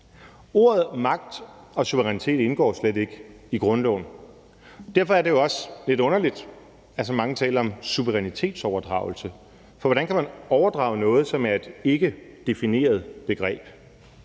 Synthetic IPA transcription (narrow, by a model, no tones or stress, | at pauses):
o̝ɐð̩ˠmɑ̈ɡ̥̚d̥ | ɒ̽suʋəʁɛnit͡sʰe̝̰ːd̥e̝nɡ̥ɒ̰ːslede̝ɡ̥əiɡ̥ʁɔ̽nlɒ̰ʊn | d̥æɐfɒæɐde̝joɒ̽sle̝d̥ɔ̽nɐlid̥ | æs̬ɒmɑ̈ŋət͡sʰɛ̰ːlɐɒ̽msuʋəʁɛnit͡sʰe̝̰ːd̥sɒʊɐd̥ʁɑ̈ʊl̩sə | fɒʋɒɾænkʰæmænɒʊɐd̥ʁɑ̈ʊnɔ̽ːð̞̩ˠsɒ̽mæɐe̝d̥e̝ɡ̥əd̥e̝fine̝̰ːɐð̞̩ˠb̥e̝ɡ̥ʁɛ̰ːb̥